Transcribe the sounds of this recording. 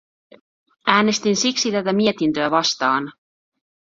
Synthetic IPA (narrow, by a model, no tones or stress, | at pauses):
æːne̞st̪insiksit̪æt̪æmiet̪int̪øæʋɑst̪ɑːn